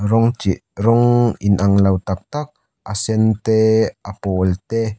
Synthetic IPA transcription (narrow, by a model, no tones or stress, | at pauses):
ɾɔŋt͡ʃiʔɾɔŋinʔaŋlawt̪ak̚t̪ak̚ | ʔasɛnt̪eʔapolt̪e